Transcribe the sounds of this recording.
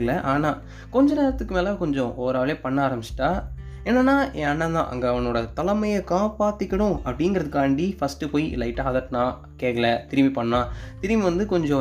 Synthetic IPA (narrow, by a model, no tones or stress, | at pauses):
ɐɭɐʔaːnaː | kɔɲd͡ʒɐneːɾɐt̪ːɯkːɯmeːlɐkɔɲd͡ʒɔ̃ʔoːɾaːʋɭeːpɐɳːɐaaːɾɐmbɪt͡ʃːɪ̥ʈːaː | ɛːnːɐnːaːẽɐnːɐ̃nd̪ã̰ːʔɐ̰ŋɡɐɐʋɐnoːɽɐt̪ɐlɐmɐjɐkaːpaːt̪ːɪkːɐɽʊ̃ɐpːɐɽɪŋɡɾɐðɯkːaːɳɖifɐsʈɯpoːjiɪ̰lɐɪʈːaːðɐʈːnãː | keːkɐɭɐt̪ɪɾɪmipɐɳːãːt̪ɪɾɪmiʋɐnd̪ɯkɔɲd͡ʒɔ̃